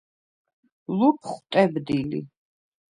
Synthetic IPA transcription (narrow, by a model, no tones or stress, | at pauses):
lupʰχt̪ʼɛbd̪ilḭ